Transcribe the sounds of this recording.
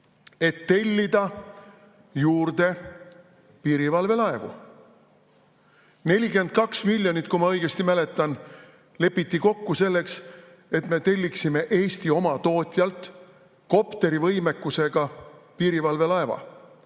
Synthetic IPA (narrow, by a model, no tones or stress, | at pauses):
e̞t̪ːe̞lʲːid̪̥ɑ | juːrd̪e̞ | piːɾivɑlve̞lɑevṵ | ne̞lʲike̞nd̪̥̚kɑksmilʲːjo̞nit̪ːˑkumɑɤ̞jɡ̥e̞st̪imæle̞t̪ːˑɑn | le̞pːˑit̪ːiko̞kːuse̞lːe̞ks | e̞t̪me̞t̪e̞lʲːiksime̞ʔe̞ːst̪io̞mɑt̪o̞ːt̪ʲjɑlt̪ | ko̞pt̪e̞ɾivɤ̞jme̞kːˑuse̞ɡ̥ɑpiːɾivɑlve̞lɑe̞vɑ̰